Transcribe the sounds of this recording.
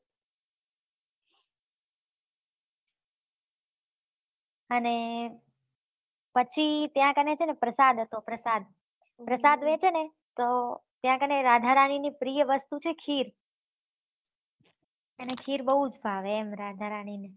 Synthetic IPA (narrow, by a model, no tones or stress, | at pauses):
əne | pət͡ʃʰit̪jãkənet͡ʃʰenepɾəsad̪ʱət̪opɾəsad̪̚ | pɾəsad̪ʋẽt͡ʃʰene | t̪ot̪jãkəneɾad̪ʱaɾaninipɾijəʋəst̪ut͡ʃʰekʰiɾ | ənekʰiɾbəɦud͡ʒbʱaʋeːmɾad̪ʱaɾanine